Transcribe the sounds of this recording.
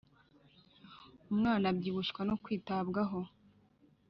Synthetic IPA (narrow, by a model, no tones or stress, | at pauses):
umŋaːnabɟiːβuʃkwanokwiːtabɡaɦo